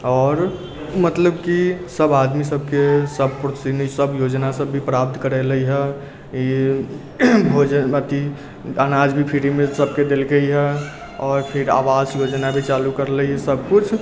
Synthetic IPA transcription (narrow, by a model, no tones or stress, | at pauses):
ɔːɾ | mət̪ləbkisəbad̪misəb̚ʱkesəbpɾot̪sinisəbjod͡ʒnasəbʱːipɾap̚t̪kəɾɛləiɦɛ | i | bʱod͡ʒənmət̪i | anad͡ʒbʱipʰiɾimesəb̚ʱked̪elɡəiɦɛ | ɔːɾpʰiɾa̰wasjod͡ʒnabʱit͡ʃalukəɾləiɦɛsəb̚kut͡ʃʰ